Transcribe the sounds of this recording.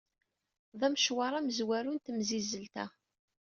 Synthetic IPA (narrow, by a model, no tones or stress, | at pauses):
ðˤæmʃwɑɾˤæməzwæɾunt̪mzizəlt̪æ̰